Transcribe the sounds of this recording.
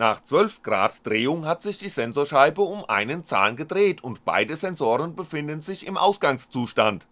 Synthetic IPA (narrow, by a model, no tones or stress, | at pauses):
naːχt͡sv̥œlfɡ̥ʁa̰ːtd̥ʁeːʊŋɦatz̥ɪçd̥iːzɛnzoːɐʃaɪbəʊmʔa̰ɪnənt͡sa̰ːnɡədʁeːtʰʊntb̥a̰ɪdəzɛnzoːʁənbəfɪndənzɪçɪmʔa̰ʊsɡ̥aŋst͡suːʃtant